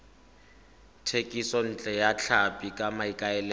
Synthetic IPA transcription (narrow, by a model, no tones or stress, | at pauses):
tʰekʼisɔn̩t͡ɬʼɛjat͡ɬʰapʼikʼamaikʼaɛlɛ